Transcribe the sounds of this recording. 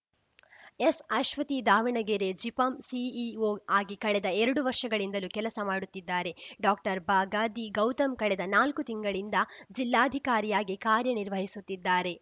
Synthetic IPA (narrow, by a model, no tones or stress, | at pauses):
esɐʃʋɐt̪id̪aːʋiɳɐɡeɾed͡ʒipɐmsiioːaːɡikɐɭɛd̪ɐɛɾɐɽuʋɐɾʂɐɡɐɭind̪ɐlukɛlɐsɐmaːɽut̪ːid̪ːaːɾe̞ɖaːk̚ʈɐɾbaːɡaːd̪iɡɐwt̪ɐmkɐɭɛd̪ɐnaːlkut̪iŋɡɐɭind̪ɐd͡ʒilːaːd̪ʱikaːɾijaːɡikaːɾjɐniɾʋɐɦisut̪ːid̪ːaːɾe̞